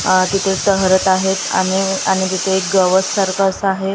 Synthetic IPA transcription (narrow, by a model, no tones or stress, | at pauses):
t̪it̪ʰetəɦɾət̪aɦet̪a̰ñiaɽ̃it̪̬it̪ʰeɡəʋəsːəɾkasaɦet̪